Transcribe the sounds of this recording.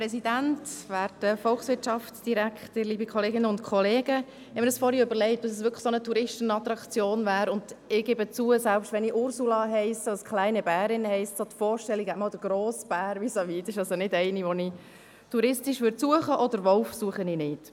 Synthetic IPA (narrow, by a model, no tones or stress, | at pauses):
pɾɛsidæntʋæːɾdəfɔlxsʋɪtʃɑfsd̥iɾækʰχtəɾliːbikʰɔleːɡɪnəʊntkʰχɔleːɡə | hɛməɾdəsfɔɾhiøbəɾlɛɪt̚d̥ɑsɛsʋʏkʰə̥sonətʰuɾɪʃtənɑt̪ɾɑkt͡sjoːnvæːɾʊnd̥ɪɡ̥ɪbət͡suəsælpʃtʋɛniʔʊɾsulɑɦɛɪsəskχlæɪnəbæːɾɪnhɛɪssot̪fɔːɾʃtɛlːiɡɛtmɑːldəɡ̥ɾoːsb̥æːɾʋisoʋiːtɪʃɑlsonɪdɛɪniʋɔni | tuɾɪstɪʃʋːɾtsuəχəʔɔdəɾʋɔlfsuəχəninɪt